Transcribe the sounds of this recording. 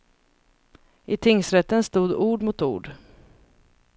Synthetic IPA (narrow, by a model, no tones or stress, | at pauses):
ʔɪt̪ʰɪŋsɾɛt̪ːənst̪uːd̪uːɖmʊt̪ṵːɖ